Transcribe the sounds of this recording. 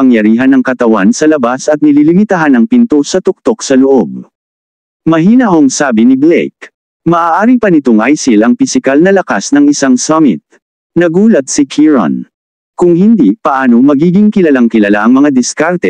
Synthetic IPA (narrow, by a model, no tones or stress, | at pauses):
ɐŋjɐɾiːɦɐnɐŋkɐt̪ɐwansɐlɐbasɐt̪̚nɪlilɪmɪt̪aɦanɐŋpɪnt̪osɐt̪ʊk̚t̪o̞k̚sɐloʔob̚ | mɐɦiːnɐʔo̞ŋsaːbɪnɪblɛ̰jk̚ | mɐʔaːʔaːɾipɐnɪt̪oŋʔajsɪlɐŋpɪsɪkalnɐlɐkasnɐŋɪsaŋsɐmɪ̰t̪̚ | nɐɡuːlɐt̪̚sɪkʰiɹɐ̰n | kʊŋhɪnd̪ipɐʔaːno̞mɐɡiːɡɪŋkɪlɐlaŋkɪlɐlaʔɐŋmɐŋad̪ɪskaɾt̪ɛ